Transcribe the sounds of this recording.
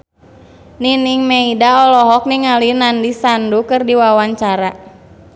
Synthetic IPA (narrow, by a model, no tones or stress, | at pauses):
niniŋmeidaɔlɔɦɔk̚niŋalinandisandukɨrdiwawaɲt͡ʃaɾa